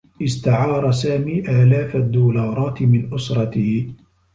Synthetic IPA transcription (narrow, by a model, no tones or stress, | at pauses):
ʔɪst̪aʕɑːɾˤɑsaːmiːʔaːlaːfad̪ːuːlɑːɾˤɑːt̪ɪmɪnʔʊsɾˤɑt̪ɪh